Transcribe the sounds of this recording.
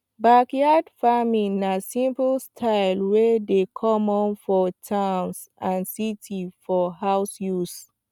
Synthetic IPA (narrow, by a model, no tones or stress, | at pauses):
bakjadfamĩnasĩmpəlstʰaɪlwɛdekʰɔ̃mɔ̃nfɔtʰãwns | ãnsitʰifɔɦawsjus